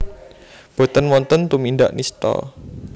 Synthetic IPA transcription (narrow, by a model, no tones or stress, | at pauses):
b̥o̤t̪ənmɔnt̪ənt̪umindaʔnist̪ɔ̰